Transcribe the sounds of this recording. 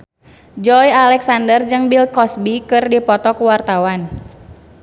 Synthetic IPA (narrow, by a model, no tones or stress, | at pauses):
d͡ʒɔjalɛksandərd͡ʒɨŋbilkɔsbikɨrdipɔt̪ɔkuwart̪awan